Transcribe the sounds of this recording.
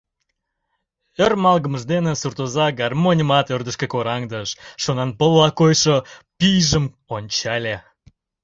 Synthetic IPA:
ørmɑlˠɣəməʒd̪enesurt̪ozɑɡɑrmonʲəmɑt̪ørd̪əʃkekoɾɑŋd̪əʃʃonɑnpəlːɑkojʃopʲijʒəm | onʲt͡ɕɑlʲe

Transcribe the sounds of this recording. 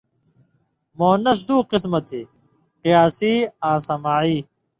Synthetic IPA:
moːnɐs̬d̪uːqɪsmɐt̪ʰeː | qijaːsiːãːsɐmaːiː

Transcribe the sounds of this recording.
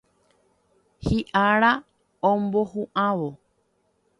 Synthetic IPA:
hiʔaɾa | õmbohũʔãʋo

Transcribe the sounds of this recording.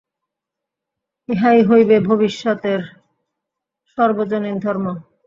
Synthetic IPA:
eɦajɦojbebʱobiʃːɔt̪eɾ | ʃɔɾbod͡ʑonid̪ʱɔɾmo

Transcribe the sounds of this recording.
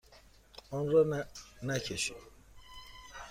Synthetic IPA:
ɔnɾanɛcʰɛʃi

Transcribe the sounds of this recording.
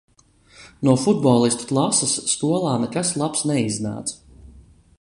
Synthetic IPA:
nuɔfud̪̚bɔːlˠist̪u̥klˠasasːkuɔlˠaːnɛkaslˠapsnɛizna̰ːt̪s

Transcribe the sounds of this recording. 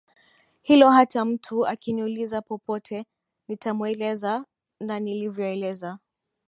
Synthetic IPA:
hilɔhatam̩tʰuakiniulizapɔpɔtʰɛ | nitamwɛlɛza | nanilivjɔɛlɛza

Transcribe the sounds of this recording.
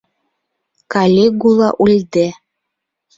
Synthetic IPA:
kalʲeɡulˠɑ̰ʔulʲd̪e

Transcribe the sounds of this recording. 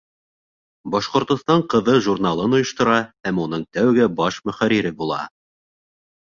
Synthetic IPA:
bɒʃqŏɾt̪ŏst̪ɑɴqɤ̆ðɤʒurnɑlˠɤnŏjŏʃt̪ŏɾɑhæmunɤɴt̪æwɡɘbɑʃmɵ̆χæɾiɾɘbulˠɑ̰

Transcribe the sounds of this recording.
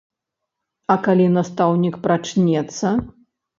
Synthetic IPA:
ɐkalʲinɐst̪awnʲikpɾat͡ʂnʲɛt̪sːɐ

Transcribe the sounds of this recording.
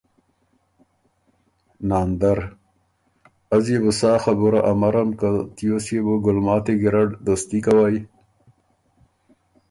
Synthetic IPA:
naːnd̪aɾ | azjebusaːxabuɾaʔamaɾamkat̪ijosjebuɡʊlmɑːt̪eɡɪɾaɖd̪ost̪ikawaj

